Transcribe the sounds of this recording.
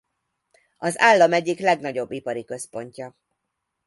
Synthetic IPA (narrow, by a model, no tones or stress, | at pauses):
ɒzaːlːɒmɛɟːiklɛɡnɒɟo̞bːipɒɾikø̞spo̞ɲcɒ